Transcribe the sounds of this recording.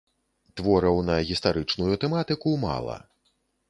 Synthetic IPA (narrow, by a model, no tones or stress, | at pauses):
t̪vɔɾɐwnɐɣʲist̪aɾɨt͡ʂnujut̪ɛmat̪ɨkuma̰lˠɐ̰